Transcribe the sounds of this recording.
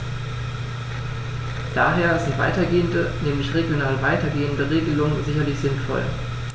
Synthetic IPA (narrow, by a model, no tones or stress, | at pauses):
d̥a̰ːɦeːɐdasɪntv̥a̰ɪtɐɡeːəndənɛːmlɪçʁeɡjonaːlvaɪtɐɡeːəndəʁeːɡəlʊŋzɪçɐlɪçz̥ɪnfɔ̰l